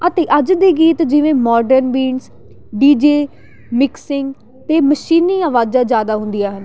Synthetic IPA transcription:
ət̪eːʔəd͡ʒd̪iːɡiːt̪d͡ʒɪʋẽːmɔːɖəɾnbiːɳs | ɖiːd͡ʒeː | mɪksɪŋɡ | t̪eːməʃiːniːəʋaːd͡ʒãːd͡ʒjaːd̪aːɦʊ̃nd̪ijaːɦən

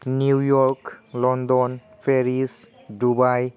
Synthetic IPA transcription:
nuwjɔɹklɔndɔn | pʰeɾis | dubaj

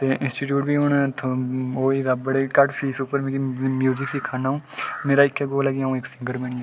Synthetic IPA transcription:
t̪eːʔɪ̃nsʈiːʈ̬juːʈʋiːɦʊɳt̪ʰooːiːd̪aːbəɽeːkəʈpʰiːsʊpːəɾmɛ̃ːkimjuːzɪksiːkʰaːnaːũːmeːɾaːɪkːɛːɡoːlɛːɡãːũːɪksɪ̃ŋɡəɾmeɳiɛ

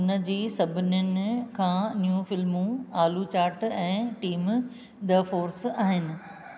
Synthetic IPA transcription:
ʊnəd͡ʑiːsɐbʱɪnjʊnɪ̆kʰãːnijũːfɪlmũaːlut͡ɕaːɾʈɛ̃ːʈiːm | d̪ɐfoːɾsaːɦɪnɪ̆

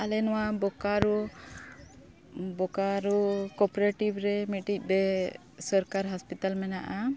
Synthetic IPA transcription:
alɛnɔwabɔkaɾu | bɔkaɾukɔpɔɾeʈibɾɛmiʈic̚ˀd̪ɛ | sɔɾkaɾɦaspit̪almɛnaʔa

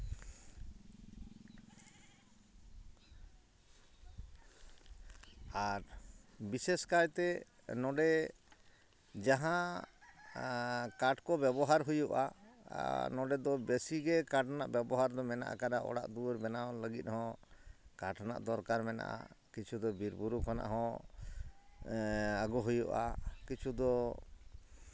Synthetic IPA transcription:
aɾbiseskajt̪ɛ | nɔɖɛ | d͡ʒaɦã | kaʈkɔbɛbɔɦaɾɦujuʔa̰ | nɔɖɛd̪ɔbesiɡɛkaʈʰanaʔbɛbɔɦaɾd̪ɔmɛna̰ʔa̰kaɗaʔɔ̰ɽa̰ʔd̪uɾbɛnaləɡit̪̚ˀhɔ̃kaʈʰana̰ʔd̪ɔɾkaɾmɛna̰ʔa̰kit͡ʃʰud̪ɔbiɾbuɾukʰɔna̰ʔɦɔ̃ | aɡɔɦujṵʔa̰kit͡ʃʰud̪ɔ

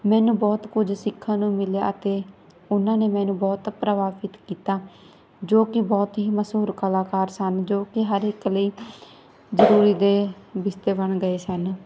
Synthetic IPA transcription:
mɛːnũːbɔːt̪kʊd͡ʒsɪkʰːãːnũːmɪlja̰ːʔət̪eː | ʊnãːneːmɛ̃ːnũːbɔːt̪pɾəʋaːʋɪt̪kiːt̪aː | d͡ʒoːkɪbɔːt̪ɦiːməsuːɾkəlaːkaːɾsənd͡ʒoːkɪɦəɾɪkləiː | zəɾuːɾiːd̪eːbɪst̪eːbəɳɡəeːsən

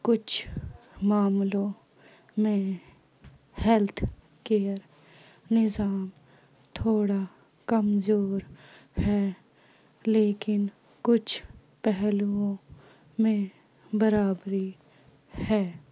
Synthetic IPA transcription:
kʊt͡ʃʰmaːmlõ | mẽ | hɛlt̪ʰ | keːəɾ | nɪzaːm | t̪ʰoːɽa | kɐmzoːɾhɛː | leːkɪn | kʊt͡ʃʰ | pɛɦluõ | mẽ | bəɾaːbɾi | hɛː

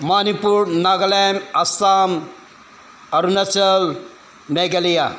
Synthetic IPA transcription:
manipuɾnaɡɐlɛmɐsaːm | ɐɾunɐsɐl | meɡɐlija

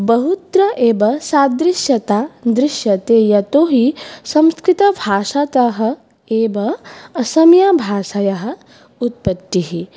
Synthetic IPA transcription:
bɐɦut̪ɾɐʔeːbɐsaːd̪ɾiʃjɐt̪aːd̪ɾiʃjɐt̪eːjɐt̪oːɦisɐ̃mskɾit̪ɐbʱaːʃat̪ɐɦɐ̆ | eːʋɐɐsɐmjaːbʱaːʃɐjɐɦɐ̆ | ut̪̚pɐt̪ːiɦi

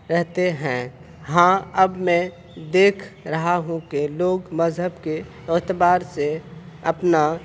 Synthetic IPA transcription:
ɾɛɦt̪eɦɛ̃ː | ɦãːəbmɛ̃ | d̪eːkʰɾəɦaɦũkeloːɡməzɦəbke | oːt̪baːɾse | əpna

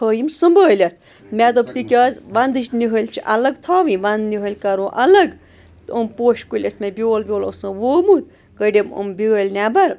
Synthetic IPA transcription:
əːjimsɨmbəːlʲɐt̪̚ʰ | mʲɛd̪ɐbt̪ikʲaːzʋɐnd̪ɨʃʲniɦəlʲt͡ʃʰiʔɐlɐɡt̪ʰaːʋĩʋɐnd̪niɦəlʲkɐɾoːʔɐlɐɡ | t̪əmpoːʃkulʲɐsmʲebʲioːlʋʲjoːlo̰sɨ̃ːʋoːmut̪ | kəɖʲemṵmbʲiɣəːlʲnaːbɐɾ

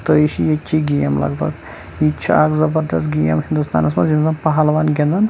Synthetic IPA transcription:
t̪əiʃijet͡ʃʲʰiɡijɐmlɐ̰ɡbɐ̰ɡ | it͡ʃʰɐakzɐbɐɾd̪ɐst̪ɡijɐ̰mɦind̪ust̪a̰ːnɐs̬mɐzinzɐmpɐɦalʋaːnɡʲend̪ɐn

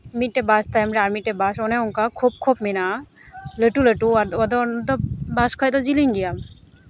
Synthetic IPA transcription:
mit̪̚ʈɛbast̪ajmɾɛaɾmit̚ːɛbasɔnɛɔŋkakʰub̚kʰobminaləʈuləʈuaɾɔd̪ɔnd̪ɔbaskʰɔjt̪ɔd͡ʒiliŋɡijam

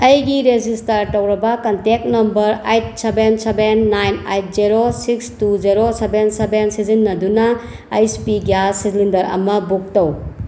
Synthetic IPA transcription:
ɐjɡiɾed͡ʒistɐɾtɐwɾɐbɐkɐntek̚nɐmbɐɾajt̚sebensebenːajnajt̚ziɾosikstuziɾosebensebensizinːɐdunɐ | ajspiɡasislindɐɾɐ̰mɐbuk̚tɐw

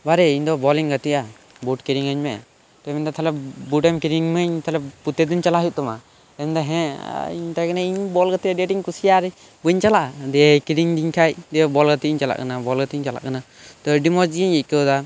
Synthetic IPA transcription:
baɾɛiɲd̪ɔbɔliŋɡat̪iʔa | buʈkiɾiŋaɲmɛa | t̪ɔmɛnd̪ɔt̪ʰalɛp̚buɖɛmkiɾiŋməɲt̪ʰalɛput̪ɛd̪uɲt͡ʃalaɦuʔ̚t̪ɔma | t̪ɛmɛnd̪aɦɛ̃ḭɲt̪akanaiɲbɔlɡat̪iaɖɛʈiŋkusijaɾɛ | buɲt͡ʃalaʔd̪ɛkiɾiŋd̪iɲkʰajd̪ɛbɔlɡat̪iiɲt͡ʃala̰ʔkanabɔlɡat̪iɲt͡ʃala̰ʔkana | t̪ɔɖimɔd͡ʒiɛɲɛc̚kɛwd̪a

